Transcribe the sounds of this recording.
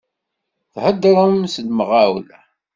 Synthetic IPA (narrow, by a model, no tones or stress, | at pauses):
θhəd̪ːɾˤəmsəlmʁawl